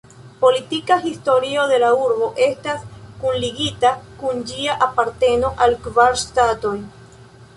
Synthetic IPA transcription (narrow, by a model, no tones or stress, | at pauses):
po̞litikaɦisto̞ɾiode̞lauɾbo̞ʔe̞staskunliɡitakund͡ʒiaʔapaɾte̞no̞ʔalkvaɾstato̞j